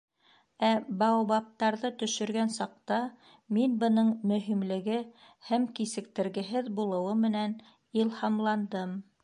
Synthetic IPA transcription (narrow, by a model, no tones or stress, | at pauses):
æbɑwbɑp̚t̪ɑɾðɤt̪ɵ̆ʃɵ̆ɾɡænsɑq̚t̪ɑ | minbɤ̆nɤɴmɵ̆ɦimlɘ̆ɡɘ | hæmkisɘ̆k̚t̪ɘ̆ɾɡɘ̆ɦɘðbulˠɤ̆wɤmɘ̆næn | ilˠhɑmlˠɑnd̪ɤm